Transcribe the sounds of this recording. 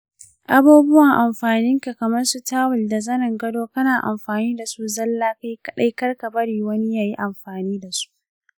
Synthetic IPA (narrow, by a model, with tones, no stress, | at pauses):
ʔa˨buː˦bʊ˦wɐ˨ŋʔa˨mɸaː˨nɪ˦ŋka˨kɐ˨mɐ˦rsu˦taː˦wʊ˨lda˨zɐ˦nɐ˨ŋɡɐ˦doː˦kɐ˦naː˨ʔa̰˨mɸaː˨niː˦da˨su˦zɐ˦lːaː˦ka˦jkɐ˦ɗa˦jkɐ˦rka˨bɐ˦ɽiː˨wɐ˦ni˦jaː˨ji˦ʔa˨mɸaː˨niː˦da˨su̥˦ʔ